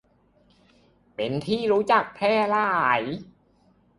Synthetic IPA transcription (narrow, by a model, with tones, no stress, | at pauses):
pe˨˦nt̪ʰiː˥˩ɾuː˦˥t͡ɕa˨˩k̚pʰlɛː˥˩laː˥˩j